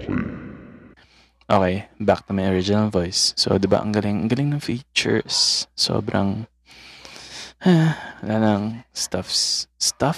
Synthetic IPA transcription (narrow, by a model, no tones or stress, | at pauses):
ʔo̰kɛjbak̚t̪ʊmɐjʔoɹɪd͡ʒʊnɐlvojsːo̰d̪ɪbɐ̰ʔɐ̰ŋɡɐlɪŋʔɐŋɡɐlɪŋnɐŋfiːt͡ʃɛ̰ɹsːo̰ːbɾɐ̰ŋ | hawɐlaːnɐŋst̪ɐfsst̪ɐ